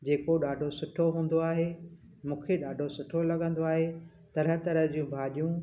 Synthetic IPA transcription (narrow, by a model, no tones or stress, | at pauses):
d͡ʑeːkoɗaːɖʱosʊʈʰoɦũːn̆d̪oaːɦe | mũːkʰeɗaːɖʱosʊʈʰolɐɠə̃nd̪oaːɦe | t̪ɐɾət̪ɐɾəɦd͡ʑiũbʱaːɗijũ